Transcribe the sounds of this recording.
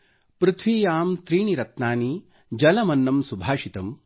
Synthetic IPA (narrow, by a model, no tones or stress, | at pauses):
pɾɪt̪ʰʋiːjaːmt̪ɾiːɳiɾɐt̪naːni | d͡ʒɐlɐmɐnːɐmsubʱaːʃit̪ɐm